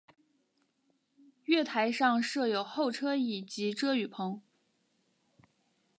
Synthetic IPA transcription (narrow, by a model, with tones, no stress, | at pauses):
ɥɛ˥˩t̪ʰa˧˥ɪʂɑ˥˧ŋʂɤ˥˩jo˨˩ʊxo˥˩ʊʈ͡ʂʰɤ˥i˨˩t͡ɕi˧˥ʈ͡ʂɤ˥y˨˩pʰɤ˧˥ŋ